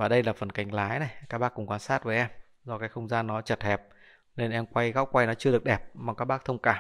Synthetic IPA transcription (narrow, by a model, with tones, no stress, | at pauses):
vaː˨˩ɗə˧jlaː˨˩fə˨˩nka˨˩jŋ̟laː˨˦jna˨˩jkaː˦˥k̚ɓaː˦˥kːʊ˨˩ŋ͡mkwaː˧˦nsaː˦˥t̚vəː˨˦ʔɛ˧m | zɔ˧kaː˨˦jxə˧wŋ͡mzaː˧nːɔ˨˦t͡ɕə˨˩t̚hɛ˨˩p̚ | ne˧nʔɛ˧mkwa˧jɣaː˦˥wkwa˧jnɔ˨˦t͡ɕɨ˧əɗɨ˨˩ək̚ɗɛ˨˩p̚maː˨˩kaː˦˥k̚ɓaː˦˥k̚t̪ʰə˧wŋ͡mkaː˧˩